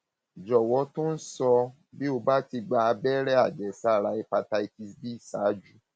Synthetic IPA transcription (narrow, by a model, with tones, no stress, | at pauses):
d͡ʒɔ˨wɔ˨˧˦to˦n̩˦sɔ˧ | bi˦o˧ba˦ti˧ɡ͡ba˧a˧bɛ˦ɾɛ˦a˦˨d͡ʒɛ˨sa˦˨ɾa˧i˧pa˧ta˧i˧ti˧sdi˦˨sa˨˦d͡ʒu˦